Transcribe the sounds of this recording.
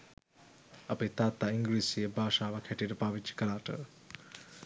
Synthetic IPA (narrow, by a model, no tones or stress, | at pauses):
apet̪aːt̪ːaiŋɡɾiːsijəbʱaːʃaːʋakʰhɛʈijəʈəpaʋit͡ʃi̥kəlaːʈə̰